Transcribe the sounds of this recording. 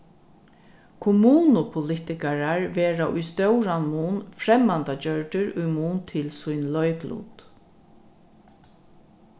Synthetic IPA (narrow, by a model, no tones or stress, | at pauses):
kʰʊmuːnʊpʰʊlɪt̪ɪkaɹaɹʋeːɹaʔʊjst̪œwɾanmuːnfɾɛmːant̪at͡ɕœɹʈ̪ʏɹʊjmuːnt̪ʰɪlsʊjnlœɥklṵːt̪